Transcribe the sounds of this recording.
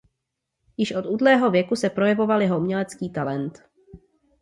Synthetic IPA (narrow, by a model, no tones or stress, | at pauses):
jɪʃʔo̞t̪uːdlɛːɦo̞vjɛkusɛpɾo̞jɛvo̞valjɛɦomɲɛlɛt͡skiːt̪alɛnt̪